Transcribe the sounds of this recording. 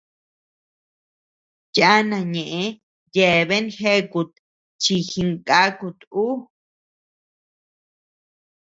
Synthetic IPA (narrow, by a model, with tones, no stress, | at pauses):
ja˦nã˧˨ɲẽ˨ʔẽ˧ | je˨βe˦nxe˦ku˧˨t̪ | t͡ʃi˧xi˧ŋkʼa˦ku˧t̪u˦